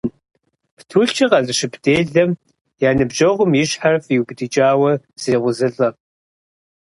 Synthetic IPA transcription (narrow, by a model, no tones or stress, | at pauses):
ptʰuːɬt͡ʃʰɐqɐɮɨɕɪbdeːɮɐm | jaːnɨbʑɐʁʷʊmjɪɕħarfiwbdit͡ʃʼaːwɐ | z̥eːʁʷʊzɨɮʼɐ